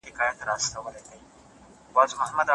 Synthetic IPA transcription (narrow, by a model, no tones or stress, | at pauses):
ɪkɑjat̪ɾɑst̪awəlajkawi | bɑzmahamad̪a